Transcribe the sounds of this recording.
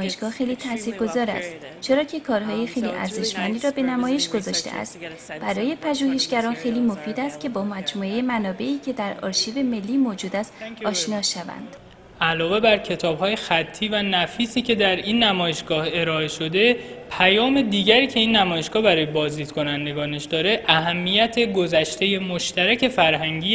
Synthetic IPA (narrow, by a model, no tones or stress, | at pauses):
jeʃɡ̥ɒːxe̞jliːt̪ʰæsiːɾɡo̞zɒːɾæ̰st̪ | t͡ʃʰe̞ɾɒːcʰe̞kʰɒːɾhɒːje̞xe̞jlḭʔæ̰ɾze̞ʃmænd̪iːɾɒːbe̞næmɒːje̞ʃɡ̥o̞zɒːʃt̪ḛʔæ̰st̪ | b̥æɾɒːje̞pʰæʒuːɦe̞ʃɟæɾɒːnxe̞jliːmo̞fiːd̪æst̪̚cʰe̞bɒːmæd͡ʒmuːejemænɒːbe̞ʔiːcʰe̞d̪æɾɒ̰ːɾʃiːbe̞me̞lːiːmod͡ʒuːd̪æst̪ɒːʃnɒːʃævæ̰nd̪̥ | ʔælɒːve̞bæɾcʰe̞t̪ʰɒːb̥hɒːje̞xæt̪ʰːiːvænæfiːsiːcʰe̞d̪æɾinːæmɒːje̞ʃɡɒːhe̞ɾɒːe̞ʃo̞d̪e̞pʰæjɒːme̞d̪iːɟæɾiːcʰe̞iːnːæmɒːje̞ʃɡ̥ɒːhbæɾɒːjebɒːzd̪iːd̪̥kʰo̞nænd̪e̞ɡɒːneʃd̪ɒːɾe̞ʔæɦæmːijæt̪ʰe̞ɡo̞zæʃt̪e̞je̞moʃt̪ʰæɾæcʰe̞fæɾɦæŋɟiː